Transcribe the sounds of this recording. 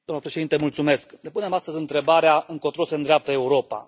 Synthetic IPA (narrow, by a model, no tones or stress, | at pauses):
d̪amnəpɾeʃeint̪emult̪sume̞sknepune̞mast̪əzʲɨnt̪ɾe̞baɾeaɨŋko̞t̪ɾosend̪ɾeap̚t̪əe̞uɾo̞pa̰